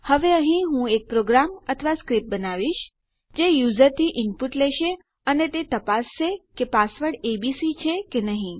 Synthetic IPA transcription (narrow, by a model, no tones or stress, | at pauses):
həʋeə̃ɦĩɦũek̚pɾoɡɾamət̪ʰəʋaskɾip̚bənaʋiʃ | d͡ʒejuzəɾt̪ʰiʔɪmpuʈleʃe | ənet̪et̪əpast͡ʃʰekepasʋəɽebisit͡ʃʰekenəɦĩ